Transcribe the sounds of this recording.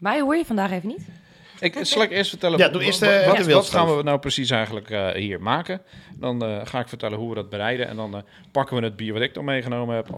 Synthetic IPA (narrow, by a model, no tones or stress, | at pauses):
mɛjhuəɹjəfɔndaːxeːvənit | ɪksɑlˠɪkɪəstfəɹtɛlˠəjaduɪstəʋəʋɪlʋɔttxaːnʋəənawprəsis̬ɛjɣən̩ləkhiːɹmaːkədɔnxaːɪkfərtɛləɦuʋədɔt̚bərɛjdəʔɛ̰ndɔn | pakəʋənəd̚biəɹʋɔtɪk̚tɔmejɣənoːməɛp